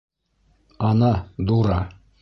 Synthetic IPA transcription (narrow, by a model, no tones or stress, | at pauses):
ɑnɑd̪uɾɑ